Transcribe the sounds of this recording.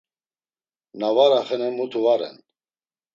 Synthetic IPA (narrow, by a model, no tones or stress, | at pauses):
navaɾaχɛnɛmut̪ʰuvaɾɛ̰n